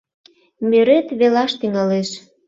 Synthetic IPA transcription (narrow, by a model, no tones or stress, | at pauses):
meɾet̪βelɑʃt̪yŋɑleʃ